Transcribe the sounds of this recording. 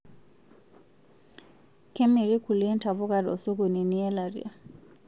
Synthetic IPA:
kʰɛ˦me˨ɾi˦kʰu˨li˦ɛ˦n̩˦tʰa˨βʊ˦ka˦ɾɔ̰˨su˦ku˨ni˨ni˦ɛ˦la˨ɾḭ˨a˨

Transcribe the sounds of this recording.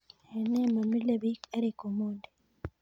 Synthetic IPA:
e˨ne˦ma˨mi˦le˦˨bi˦ke˦ɾe˨ko˨mo˦nde˨

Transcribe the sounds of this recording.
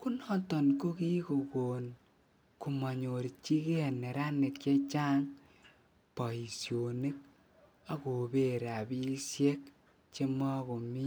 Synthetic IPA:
ku˦nɔ˦tɔ˨nko˦ki˦ko˨ko˨n | ku˨ma˨ɲo˨ɾi˨t͡ʃi˦ɣe˦a˨ne˨ɾa˦ne˨tt͡ʃe˦t͡ʃa˦ŋ | pa˨i˨sjo˨ne˦k̚ | a˨˦ko˨be˦ɾa˨bi˦sje˦k | t͡ʃe˦mɔ˦ko˨mi˦

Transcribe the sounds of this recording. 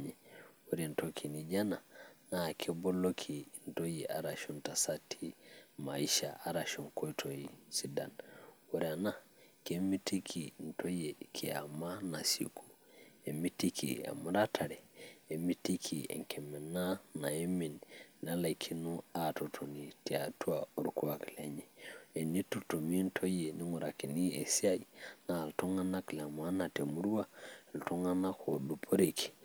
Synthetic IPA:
ɲɛwɔɾɛntokʰinid͡ʒananakʰɛbɔlokʰin̩tɔjɛʔaɾaʃɔntasatʰimaiʃa̰ʔaɾaʃɔŋkɔtʰoisida̰nwɔɾiana | kɛmitikʰin̩tɔjɛkʰia̰manasḭkʰu̥ | ɛmitikʰḭa̰mɾatʰaɾɛe˨mi˦ti˦kʰi˨ḛ˨ŋkʰe˨me˨na˦na˨e˦mi˨nna˦la˨jkʰi˨nu˦a˨to˨tʰo˨ni˨ti˨a˨tʰu˦au˨ɾku˦a˨kle˨ɲe˨e˨ni˦tu˦to˨mi˦ntʰo˦je˨ni˦ŋu˨ɾa˨ki˨ni˦e˨si˦a˦jna˨lto˦ŋa˦na˦kla˨ma˦na˨te˨mu˦ɾwa˦˨lto˦ŋa˦na˦kʰo˨du˨pʰo˦ɾe˨kʰi̥˨

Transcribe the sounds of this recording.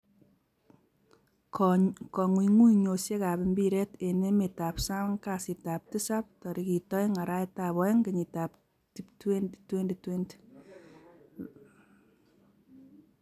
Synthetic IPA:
kɔ˨ŋwi˨ŋu˦ɲo˨sje˦ka˨bi˨mbi˦ɾɛ˦te˨ne˦me˨ta˨psa˦ŋka˨si˨ta˨p̚ti˦sa˦p̚tɔ˨ɾi˨ki˨tɔ˦jŋa˨ɾa˦jta˨bɔ˨ɛ˦ŋke˨ɲi˨ta˨p | ti˦ptwendtwe˦nde˨twe˦nd

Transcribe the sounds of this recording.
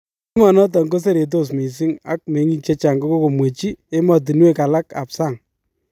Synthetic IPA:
i˦mɔ˨nɔ˦t̬ɔ˨ŋɡo˦s̬e˦ɾe˨t̬o˦˨s̬mi˨s̬i˦ŋa̰˦k̚me˨˦ŋi˦k̚t͡ʃe˦t͡ʃa˨ŋɡo˦ko˦ko˨mwe˨t͡ʃi˦e˦mɔ˨t̬i˨n˦e˦ka˨la˦ka̰˨psa˦˨ŋ

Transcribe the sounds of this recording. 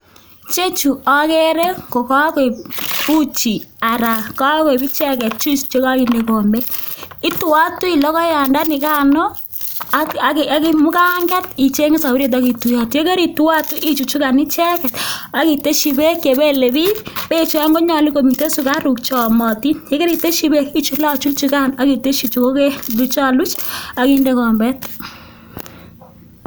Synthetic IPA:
t͡ʃe˦t͡ʃu˨ɔ˦ke˦ɾe˦ko˨ka˦ke˨pu˦t͡ʃi˨a˨ɾa˨ka˦ke˨bi˦t͡ʃɛ˦kɛ˨t̚t͡ʃu˦st͡ʃe˦ka˦ki˨ne˨ko˨mbe˦ɪ˦tu˨wa˦tu˦i˨lɔ˦kɔ˦ja˨nda˦nɪ˨ka˦nɔ˦ | a˨ka˨ki˦mʊ˦ka˦ŋɡɛ˦ti˨t͡ʃe˦ŋe˦sa˨u˦ɾe˨t̬a˦ki˨tu˨ja˨te˦ke˦ɾi˨tu˦wa˦tu˦ʔi˦t͡ʃu˨t͡ʃu˦ka˨ni˦t͡ʃɛ˦kɛ˨ta˨˦ki˨te˦ʃi˨be˦ke˨be˦le˨bi˦pe˦˨t͡ʃu˦a˦ŋɡo˦ɲa˨li˦ko˨mi˨te˦su˦ka˦ɾu˨kt͡ʃɔ˨mɔ˨ti˦nje˦ke˦ɾi˨te˦ʃi˨be˦ki˦t͡ʃu˦la˦t͡ʃu˦t͡ʃu˧ka˦na˨˦ki˨te˦t͡ʃi˨t͡ʃu˨ko˦ke˦lu˨t͡ʃa˦˨lu˦t͡ʃa˨˦ki˦nde˦kɔ˨mbɛ˦t

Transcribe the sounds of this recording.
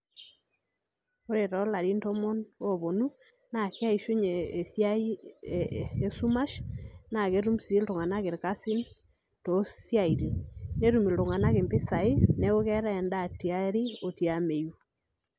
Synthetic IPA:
o˦ɾe˨tɔ˨˦la˨ɾi˦nto˦mɔ˦no˦βo˨nu˦ | na˨ka˦i˨ʃu˦ɲe˨sja | e˦su˦ma˦ʃna˨ɣe˦ɾu˦msi˨i˦lto˨ŋa˨na˦ɣe˨ɾka˦si˦n | to˨sja˦˨iɾi˨ne˦ɾu˨mi˨lto˨ŋa˨na˦ɣe˨mpe˦sa˨i˦ne˦ɣo˦ɣɛ˦ɾa˦ɛ˨nda˦˨ti˨a˦ɾi˦o˨ti˨a˨me˨ju˨

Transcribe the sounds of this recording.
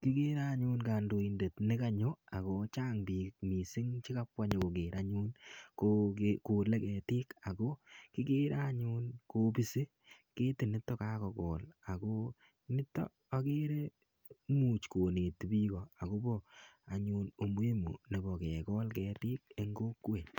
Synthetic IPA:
ki˦ke˦ɾa˦ɲu˦nkaː˨ndo˨i˨nde˨tnɪ˦ka˦ɲo˦a˨ko˦t͡ʃaː˦ŋbi˨k̚mi˨si˦ŋt͡ʃi˦ka˦pwa˦ɲe˨ko˨keː˨ɾʔa˦ɲu˦nkoekoː˨le˦kɛ˨tɪː˦ka˨ko˦kɪ˦keː˦ɾʔa˦ɲuː˦nko˦bi˦se˦ | keː˦tɪ˨nɪ˦tːɔ˦ka˦kɔ˨kɔː˨la˨ko˦ | nɪ˦tːɔ̰˦ | a˦ke˦ɾe˦ | mu˨t͡ʃkoː˨ne˨tbiː˦kɔ˨a˨ko˦bɔ˦a˨ɲuː˨no˨m˦e˦mṵ˨ne˨bɔ˨kɛ˨kɔ˦lkɛ˨tiː˦k̚e˦ŋɡoː˦kːwe˨

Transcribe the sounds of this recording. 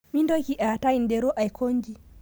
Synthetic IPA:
mi˦ndɔ˦ki˦ʔa˨ta˦i˨ndɛ˨ɾɔ˦ʔa˨jkʰɔ˦ŋɡi˦

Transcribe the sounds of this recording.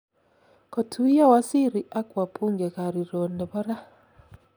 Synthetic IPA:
kɔ˨tʰu˦i˦ja˦wa˦si˦ɾi˨ʔa˦kwa˨pʰu˦ŋɡɛ˨ka˨ɾi˨ɾo˨ndɛ˨bɔ˦ɾa˦

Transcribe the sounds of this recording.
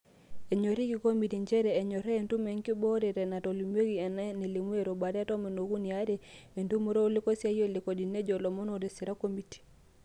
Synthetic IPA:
e˨ɲo˨ɾi˦ki˨ko˦mi˨ti˨ɲd͡ʒɛ˦ɾɛː˨ɲɔ˨ɾɛː˦˨ntu˦me˨ŋki˦bɔ˦ɾɛ˨ɾɛ˨na˨to˨li˨m˦e˦ɣi˨ɛ˨na˦ne˨li˨mwe˦˨ɾo˨ba˨ɾɛ˦a˦tɔ˦me˨no˨ɣu˦ni˨a˦ɾɛ˨e˨ntu˦mo˦ɾo˦lɪ˦kɔ˦sja˦jo˦˨lɪ˨ko˨di˨ne˦d͡ʒɔ˨lɔ˨mɔ˦no˨ɾe˨si˨ɾa˦ko˦mi˨ti̥˨

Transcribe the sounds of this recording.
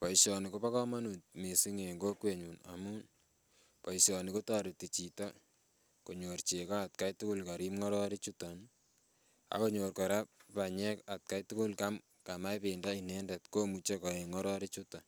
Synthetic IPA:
pɔ˨iʃɔni˨ko˦pa˦kɔ˦ma˦nu˨t̚me˨si˦ŋe˨ŋɡo˦kwe˨ɲu˨na̰mun | pɔ˨isɔni˨ko˦taɾi˨ti˨t͡ʃi˨ta˦ | ko˨ɲo˨rt͡ʃe˨ka˦a˨t̚ka˦jtu˦kʊ˦lka˨ɾi˦mŋɔ˦ɾɔ˦ɾi˦t͡ʃuta˨n | a̰˦ko˦ɲorka˨ɾa˦p̚pa˨ɲɛ˦ka˨t̚ka˦jtu˦kʊ˦lka˦m | ka˨ma˦jpɪndainɛndɛ˨tko˦mut͡ʃe˦kɔ˨e˨ŋɔ˦ɾɔ˦ɾi˦t͡ʃuta˨

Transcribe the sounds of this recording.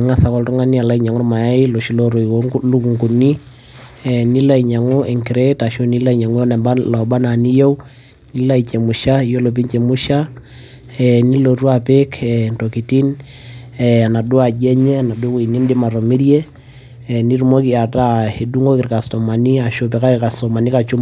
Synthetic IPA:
ŋa˦sa˨kɔ˨ltɔ˦ŋa˦ni˦a˨la˦i˦ɲa˨ŋʊ˦ɾma˨ja˦i˦lo˨ʃi˨˦lo˦ɾo˨i˨lu˦ku˨ŋku˨ni˦ | ɛ˨ni˦la˦i˨ɲa˨ŋu˦ɛ˨ŋki˨ɾɛ˦ta˨ʃo˦ni˦la˦i˨ɲa˨ŋu˦jɔ˦n˨balɔ˨ba˦na˨ni˦jo˦ | ni˦la˦it͡ʃɛ˨mu˨ʃa˦˨jo˦lo˨p̬i˦ɲt͡ʃɛ˨mu˦ʃa˦ | ɛ˨ni˦lo˨ɾu˦a˨pe˦kɛ˨nto˨ki˨ti˦n | ɛna˨dʊ˦a˨d͡ʒɛ˦ɲɛ˦na˨du˦ki˨ni˦ndɪ˦ma˨ɾo˨mi˦ɾjɛ˦˨ | ni˦ɾu˨mo˦ki˨a˨ta˦he˨du˦ŋɡo˦kɪ˨ɾka˨stɔ˨ma˨ni˦a˨ʃo˦pɛ˨ka˦ɪ˨ka˨sɔ˨ma˨ni˦ka˨t͡ʃu˦

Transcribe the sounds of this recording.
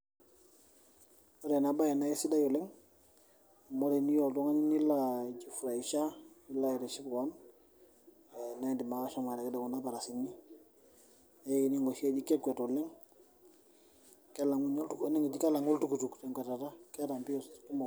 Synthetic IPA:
ɔ˦ɾɛ˨na˨ba˦jɛ˨na˦jɛ˦si˦da˦jɔ˨lɛ˦ŋ˨ | mɔ˦ɾɛ˨ni˦jɔ˨ltɔ˦ŋa˦ɲi˦ni˦la˦˨d͡ʒi˦fu˨ɾa˨i˨ʃa˦i˦la˦i˨ɾɛ˨ʃi˦ku˨wa˦n˨ | na˦ɛ˨ndi˨ma˨ka˦ʃa˦ma˨ɾɛ˨kɛ˦dɛ˨ku˨na˦ba˨ɾa˨si˨ni˦ | a˦i˨ni˦ŋɔ˨ʃi˦ɛ˦d͡ʒi˦kɛ˦kwɛ˨tɔ˨lɛ˦ŋ | kɛ˦la˨ŋu˦ɲɔ˦ltu˦ɛ˦nɛ˦ŋɛ˨d͡ʒi˦ka˦la˨ŋɔ˦ltu˦ku˨tu˨ktɛ˨ŋka˨ta˨ta˦kɛ˦ɾa˨mpi˦ɔ˨sku˦mɔ˨

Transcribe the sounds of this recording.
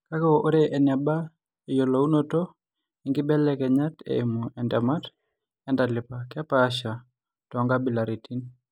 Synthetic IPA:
ka˦kɔʔo˦ɾeʔɛ˨nja˨ba˦ | e˨jo˨lo˨u˦no˦to˦ | i˨ŋɡɪbɛ˦lɛkɛɲa˦tḛ˦emu˨ʔɛ˨ndɛma˦t | ɛ˦nda˨lɪ˨pakɛpaːʃa˨ | tɔ˨ŋɡa˦bi˦la˨ɾi˨ti˦n

